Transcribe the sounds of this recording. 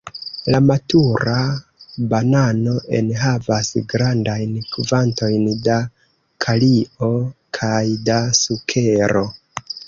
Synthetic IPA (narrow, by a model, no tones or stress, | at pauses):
lamatuɾabanano̞ʔḛnɦavasɡɾandajnkuvanto̞jnda | kʰaliʔo̞kʰajdasukʰe̞ɾo̞